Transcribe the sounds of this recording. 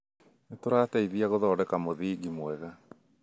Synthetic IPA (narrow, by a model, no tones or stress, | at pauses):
netoɾaːtɛiðiaɣoðɔːɾɛkamoðiːɡimwɛɣa